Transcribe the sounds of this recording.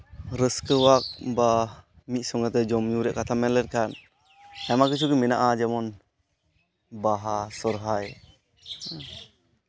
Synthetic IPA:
ɾəskɯwak̚ba | mit̪̚sɔŋat̪ɛd͡ʒɔmɲuɾɛʔkat̪ʰamɛlɛnkʰan | amakɯt͡ʃʰukɯmɛna̰ʔad͡ʒamɔn | baɦasɔɾɦaj

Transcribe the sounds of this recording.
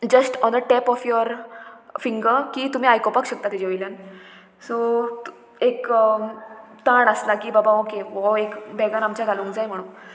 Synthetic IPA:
d͡ʑəsʈɔnəʈɛpɔfjɔɾfiŋɡəɾkiːt̪um̤iːajkopakɕək̚t̪at̪id͡ʑeʋəjljan | so | ek | t̪aɳəslakiːbabaokeɔekbɛɡãnamt͡ɕjad͡zʱalũːŋkd͡zajm̤əɽũː

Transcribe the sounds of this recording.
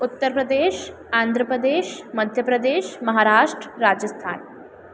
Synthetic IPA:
ut̪ːəɾpɾəd̪eːʃ | aːnd̪ʱɾəpɾəd̪eːʃmɐd̪ʱjəpɾɐd̪eːʃmɐɦaːɾaːʂʈɾəɾaːd͡ʒəst̪ʰa̰ːn

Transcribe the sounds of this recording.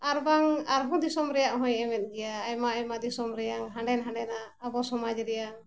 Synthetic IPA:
aɾbaŋaɾɦɔ̃d̪isɔmɾɛjaʔɦɔ̃jɛmɛt̪̚ˀd͡ʒɛjaːjmaajmad̪isɔmɾɛjaŋɦaɳɖɛnɦãɳɖɛnaːbɔsɔmad͡ʒɾɛjaŋ

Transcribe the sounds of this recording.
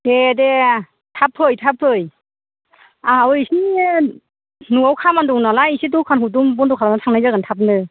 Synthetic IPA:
ede | tʰapʰɯjtʰapʰːɯj | aɯjsi | nuawkʰamandɔŋnalaisitukʰanɦudumbɔndɔkʰalanatʰaŋnajzaɡantʰap̬̚nɯ

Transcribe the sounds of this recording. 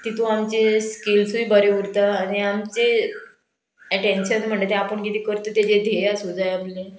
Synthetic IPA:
t̪it̪ʰuamt͡ɕeskilsuibəɾeuɾt̪aːniamt͡se | ɛʈenɕənm̤əɳd͡ʑet̪ɛ̃apəɳkit̪ikəɾt̪ot̪jed͡ʑed̪ʱeasud͡zajaple

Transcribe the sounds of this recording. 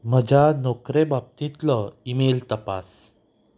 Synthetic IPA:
m̤əd͡ʑʱanɔkɾebab̚t̪ĩt̪lɔimelt̪əpa̰s

